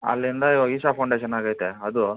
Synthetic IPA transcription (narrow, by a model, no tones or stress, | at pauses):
ɐ̰lːind̪ɐiʋaɡiːsapʰɐwɳɖeʃɐnaːɡaːjt̪eɐd̪u